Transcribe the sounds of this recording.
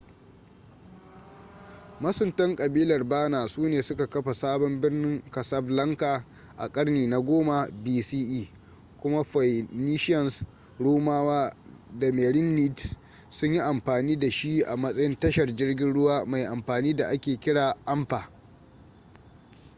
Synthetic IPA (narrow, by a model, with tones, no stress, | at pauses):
mɐ˦sʊ˨ntɐ˦ŋkʼɐ˨biː˦lɐ˨rbaː˦naː˨suː˦neː˨sʊ˦ka˨kɐ˦ɸa˨saː˦bɔ˦mbɪ˦rnɪ˦ŋkɐ˨sɐ˦blɐ˦ŋkaː˨ | ʔa̰˨kʼɐ˦ɽniː˨na˨ɡʷoː˦ma˨biː˦siː˦ʔiː˦ | kʷʊ˦ma˦ɸa˨ni˦ʃɐ˨ns | ɽuː˦maː˦waː˦ | da˨meː˨ɽɪ˦nːi˦t | sʊ˦ɲji˦ʔa˨mɸaː˨niː˦da˨ʃi˦ʔa̰˨mɐ˦sʼɐ˦jɪ˦ntɐ˦ʃɐ˨rd͡ʒɪ˦rɡʲɪ˦nɽʊ˦waː˦ma˨jʔa˨mɸaː˨niː˦da˨ʔa˦kʲeː˨kʲɪ˦ɽaː˨ʔɐ˦mɸaː˨